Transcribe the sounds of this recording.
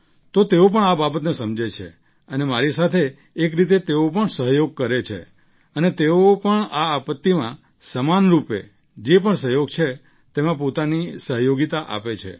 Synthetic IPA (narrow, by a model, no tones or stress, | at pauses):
t̪ot̪eop̬əɳababət̪nesəmd͡ʒet͡ʃʰḛ | ənemaɾisat̪ʰeː | kɾit̪̬et̪eop̬əɳsəɦjoɡ̚kəɾet͡ʃʰḛ | ənet̪eopəɳaːpət̪ːimã | səmanɾupḛ | d͡ʒepəɳsəɦjoɡ̚t͡ʃʰe | t̪emãpot̪anisəɦjoɡit̪aʔa̰pet͡ʃʰḛ